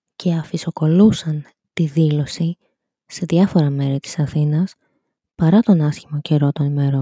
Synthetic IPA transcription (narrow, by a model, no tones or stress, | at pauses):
cʰe̞ɐfiso̞ko̞lusɐn | t̪iðilo̞si | se̞ðʝɐfo̞ɾɐme̞ɾit̪i̥sɐθinɐs | pɐɾɐt̪o̞nɐsçimɐce̞ɾo̞t̪o̞nime̞ɾo